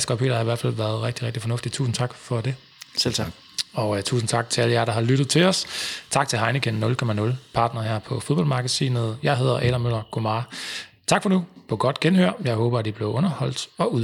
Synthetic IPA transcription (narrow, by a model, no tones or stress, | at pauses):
sɡ̥ɒpʰḛːɾɐhɑ̈iʋæɐ̰̥fæl̰ʋæːɐð̞ˠʁɛɡ̥̚d̥iʁeɡ̥̚d̥ifɒ̽nɔfd̥i̥t͡sʰṵːsn̩t͡sʰɑ̈ɡ̥fɒ̽de̝ | selʰɡ | ɒt͡sʰṵːsn̩t͡sʰɑ̈ɡ̥̚t͡sʰe̝æləjæɾ̥ɑ̈ɦɑ̈lyɾ̥ð̩ˠt͡sʰe̝lɒ̽st͡sʰɑ̈ɡ̥̚t͡sʰe̝ɦɑ̈ɪnəkʰenːɔ̽lkʰɒ̽mænɔ̽lpʰɑ̈ːd̥nɐhæɐ̰pʰɒ̽fo̝ðˠbɒ̽l̰mɑ̈ɡ̥əsḭːnəð̞̩ˠjɑ̈ɪɦe̝ð̞̰ˠɐʔɛɾɐmøl̰ɐɡ̥o̝mɑ | t͡sʰɡ̥fɒ̽nupʰɒ̽ɡ̥ɒ̽d̥ɡ̥enhøɐ̰jɑ̈ɪɦɔːb̥ɐæd̥ib̥le̝ʊɔ̽nɐhɒ̽l̰d̥ɒ̽uðˠ